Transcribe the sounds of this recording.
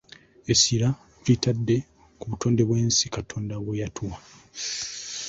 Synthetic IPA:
esiɾa | vitadːe̞ | kuβuto̞ːnde̞βweːnsikatʰo̞ːndaβwejatʰuwa

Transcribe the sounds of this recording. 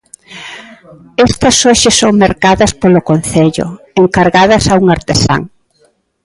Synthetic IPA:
ɛst̪ɐsoʃɪsoŋmaɾkaðɐspolʊkon̟θeʎʊ̰ | eŋkaɾɣaðɐsauŋaɾt̪esa̰ŋ

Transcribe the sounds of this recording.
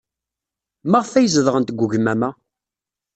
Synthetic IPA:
məʁfæjəzəðəʁənt̪ɡʷːuʝmæmæ

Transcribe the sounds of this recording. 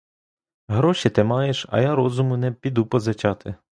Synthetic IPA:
ɦɾɔʃit̪ɪmɑjeʃɐ̰jaɾɔzʊmʊnɛpʲid̪upɔzɐt͡ʃɑt̪ɪ

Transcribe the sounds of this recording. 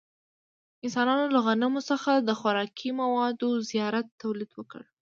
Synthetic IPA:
ɪnsɑnɑnolaɣanamosəxad̪əxʊɾɑkʰimawɑd̪ozijɑɾat̪ːawlid̪wəkə̰ɽ

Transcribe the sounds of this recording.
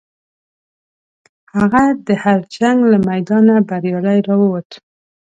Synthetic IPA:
haɣad̪əhaɾt͡ʃaŋɡlamajd̪ɑnabaɾjɑlajɾɑwəwət̪

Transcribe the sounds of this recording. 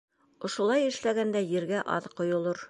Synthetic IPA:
ŏʃŏlˠɑjɘ̆ʃlæɡænd̪æjɘ̆ɾɡæʔɑ̰ðqŏjŏlˠoɾ

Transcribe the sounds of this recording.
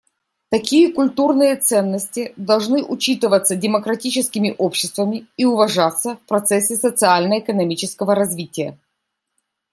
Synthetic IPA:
t̪ɐkʲijəkʊlʲt̪urnɨjət̪sɛnːəsʲtʲɪd̪ɐlˠʐnɨʔʊt͡ɕit̪ɨvət̪sədʲɪməkɾɐtʲit͡ɕɪskʲɪmʲɪʔopɕːɪst̪vəmʲɪiʊvɐʐat̪sːəfpɾɐt̪sɛsʲːɪsət̪sɨalʲnəɪkənɐmʲit͡ɕɪskəvəɾɐzʲvʲitʲɪjə̰

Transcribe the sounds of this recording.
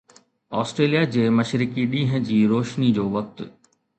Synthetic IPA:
ɔːsʈɾeːlijad͡ʑeːmɐʃɾɪkiɗĩːɦə̃̆d͡ʑiːɾoːʃnid͡ʑoːʋɐk̚t̪

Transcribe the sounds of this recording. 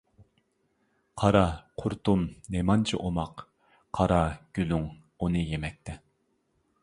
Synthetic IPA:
qʰɑɾɑqʰʊɾt̪umnemɑnt͡ʃʰiʔomɑqʰː | ɑɾɑɡ̥ʲylyŋ | unɨjemɛk̚ʲt̪ʰɛ

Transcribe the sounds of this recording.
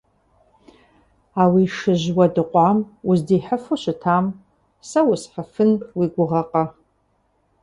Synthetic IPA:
awiʂɨʒwɐdɨqʷʼɑmʊzdiːħəfoɕɨtʰaːm | sɐwʊsħəfɨnwiɡʷʊʁɐqʼɐ

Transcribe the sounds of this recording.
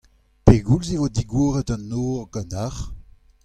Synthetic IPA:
peɡulzevodiɡwoːʁətɑnːoːʁɡɑ̃ntaʁ

